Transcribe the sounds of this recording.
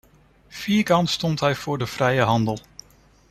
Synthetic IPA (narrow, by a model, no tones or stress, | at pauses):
fiːɹkɑntstɔntɦɛjv̥ʊːɹdəv̥rɛjəɦɑndəlˠ